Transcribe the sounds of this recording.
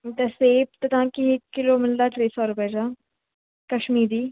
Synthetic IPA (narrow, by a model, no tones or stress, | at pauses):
t̪ɛːseːpt̪ət̪ãːkɪɪkːɪloːmɪld̪aːʈɾeːsɔːɾʊpɛːd͡ʒaː | kəʃmiːɾiː